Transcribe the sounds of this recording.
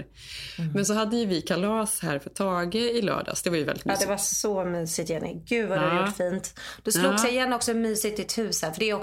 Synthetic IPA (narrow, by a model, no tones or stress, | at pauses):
mɛnsɔɦad̪ːəjɵvɪkʰalɑːshæːɾfœʈʰɑːɡəɪlœ̰ːɖa̰sd̪ɛvaɾjɵvɛ̰lɪt̪md̪ɛvasɔmyːsɪt̪jɛnɛ̰ɡʉ̟dvaddɛhajuʈːfiːnt̪d̪̥ɔsluːɡssɛjɪjɛnːɔksɔmyːsɪt̪ɪt̪hʉ̟ːshæfœɖɛɔk